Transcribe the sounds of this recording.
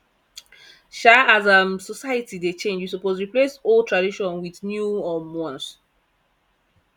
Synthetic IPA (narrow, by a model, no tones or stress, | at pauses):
ʃaazamsɔsaɪətidet͡ʃẽnd͡ʒwisɔpozɹiplesoltʰɹadiʃɔ̃nwiðnjuɔmɔ̃ns